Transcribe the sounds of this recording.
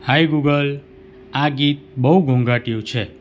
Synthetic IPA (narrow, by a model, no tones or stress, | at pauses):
hajɡuɡəl | aɡit̪̚bəɦuɡʱõŋɡaʈiũt͡ʃʰe